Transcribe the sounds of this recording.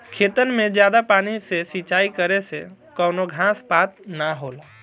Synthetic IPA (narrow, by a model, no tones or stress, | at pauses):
kʰet̪ənmẽd͡ʒjad̪apaːnisesit͡ʃaːikəɾese | kənoɡʱãspat̪naɦola